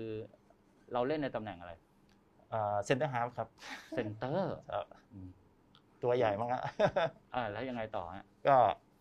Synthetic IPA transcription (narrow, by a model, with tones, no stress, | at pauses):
kʰɯː˧ | ɾa˧wle˥˩nːa˧jt̪a˧mnɛ˨˩ŋʔa˧ɾa˧j | ʔaː˨˩se˧nt̪ɤ˥˩ɦaː˦˥p̚kʰa˦˥p̚se˧nt̪ɤː˥˩t͡ɕʰa˥˩ʔɯː˧˩m | t̪u˧ɐja˨˩jma˥˩a̰˧˥ʔʔaː˧˩lɛː˦˥wja˧ŋa˧jt̪ɔ̰ː˨˩ha̰˦˥ʔkɔː˥˩